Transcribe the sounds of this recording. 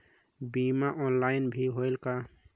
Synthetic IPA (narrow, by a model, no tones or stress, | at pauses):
bimaʔɔnlaɪnbʱiɦoɪlka